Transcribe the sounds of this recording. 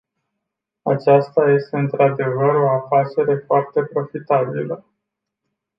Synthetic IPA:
a̰t͡ʃast̪aje̞st̪e̞ɨnt̪ɾad̪e̞vəɾo̞afat͡ʃe̞ɾe̞foart̪e̞pɾo̞fit̪abilə

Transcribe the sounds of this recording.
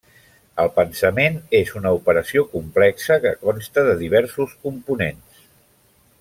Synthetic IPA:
əlˠpənsəmenezunəupəɾəsiokumplɛksəkə̰kɔnst̪əðəðiβ̞ɛɾsuskumpunens

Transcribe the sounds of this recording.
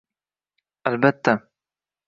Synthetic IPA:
ʔalbat̪ːa

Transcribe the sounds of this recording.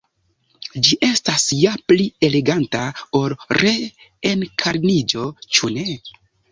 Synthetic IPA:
d͡ʒiʔe̞stasjaplie̞le̞ɡantao̞lɾe̞enkʰaɾnid͡ʒo̞t͡ʃune̞

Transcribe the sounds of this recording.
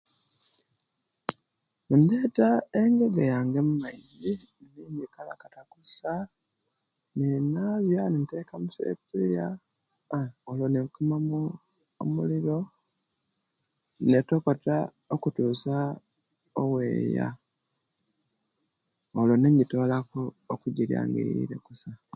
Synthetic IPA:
undeːtaeŋɡeɡejaːŋɡemumaizi | niɲikala̰katakusa | ninaβjanintekamusḛpiija | olonekumamu | o̰muliɾo̞ | netoko̞ta | okutuːsa | owḛːja̰ | oloneɲito̞lako | okuɟiɾja̰ːŋɡḛɾḭɾḛkusa

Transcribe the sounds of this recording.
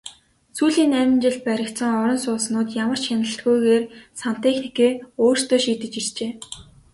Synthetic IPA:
suːɮiːnæmʲɪ̆nt͡ɕɪ̆ɮ̚pæɾʲɪ̆kt̪sə̆ŋɔɾɞ̆nsʊːsnʊːt̪jamə̆r̥t͡ɕxanə̆ɬt̪ɡujɣeːrsan̥t̪exnikeːoːr̥st̪oːʃiːt̪ɘ̆t͡ɕirt͡ɕeː

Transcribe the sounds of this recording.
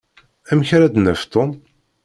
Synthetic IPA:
æmçɾæd̪næft̪om

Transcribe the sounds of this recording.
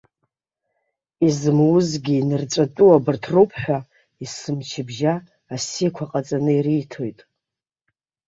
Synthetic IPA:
izɨmwʊzɡʲiːnɨrt͡sʷʼatʼuwabɨrtʰropʰħʷᶣa | isɨmt͡ʃʰɪbʒaː | sikʷʰaqʼat͡sʼanɨiɾijtʰojtʼ

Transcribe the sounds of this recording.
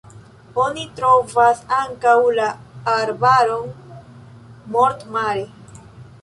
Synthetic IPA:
o̞nitɾo̞vasaŋkawlaaɾbaɾo̞n | moɾtmale

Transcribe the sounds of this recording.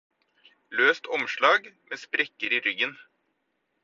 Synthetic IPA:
løːst̪ʰɔmʃɭɑːɡmʔeːspɾɛkːəɾiːɾʏɡən

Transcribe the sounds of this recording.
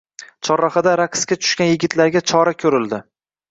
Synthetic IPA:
t͡ʃʰɒɾːɒχɪd̪aɾaqʰskʲat͡ʃ̪ʰʊ̥ʃkʲanjɪɡʲɪt̪ʰlaɾɡʲat͡ʃʰɒɾakʲʰɵɾɪld̪ɪ

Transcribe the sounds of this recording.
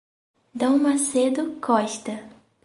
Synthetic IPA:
d̪ɐ̃w̃mased̪ʊkʰɔʃt̪ɐ

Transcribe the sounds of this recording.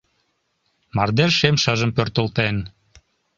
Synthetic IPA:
mɑrd̪erʃemʃɤʒəmpørt̪əlt̪en

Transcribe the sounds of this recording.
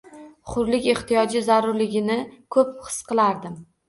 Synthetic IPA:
χʊɾlɪkʲe̞χt̪ʰijɒd͡ʒɪzaɾʊɾlɪɡʲɪnɪkʰɵp̚χɨ̥sqɨlˠaɾd̪ɪm

